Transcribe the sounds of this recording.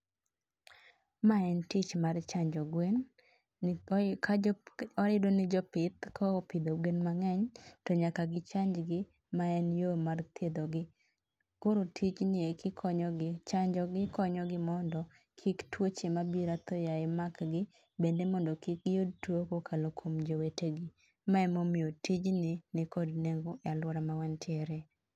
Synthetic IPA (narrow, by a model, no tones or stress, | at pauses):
maɛntɪt͡ʃmart͡ʃaɲd͡ʒɔɡwen | kaɔɾɪdonɪd͡ʒɔpɪt̪kɔpɪd̪oɡwenmaŋɛɲtɔɲakaɡɪt͡ʃaɲd͡ʒɡɪ | maɛnjomart̪ʰed̪oɡɪ | koɾotʰit͡ʃnɪekʰɪkʰɔɲɔɡɪt͡ʃaɲd͡ʒɔɡɪkɔɲɔɡɪmɔndɔ | kʰɪktwot͡ʃemabiɾat̪ɔjaɪmakɡɪ | bendemɔndɔkɪk̚jod̚twokokʰalokʰomd͡ʒoweteɡɪ | maɛmomɪotid͡ʒnɪnɪkɔdneŋɡoalwɔɾamawɛntjɛɾɛ